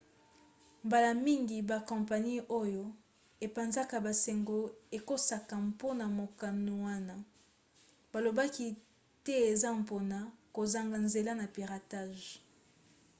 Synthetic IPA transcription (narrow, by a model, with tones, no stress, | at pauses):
mba˨la˨mi˦ŋɡi˨ba˨kɔ̃˨mpa˨ni˦ʔo˦jo˦ | e˨pa˨nza˦ka˨ba˨se˨ŋɡo˦e˨ko˦sa˨ka˨mpo˦na˨mo˨ka˨no˨wa˦na˦ | ba˨lo˨ba˦ki˦ | tɛ˦e˨za˦m˨po˨na˨ko˨za˨ŋɡa˨nze˨la˦na˨pi˨ʁa˨ta˦ʒ